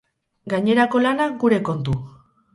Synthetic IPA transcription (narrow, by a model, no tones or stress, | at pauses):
ɡaɲe̞ɾako̞lanaɡuɾe̞ko̞nt̪u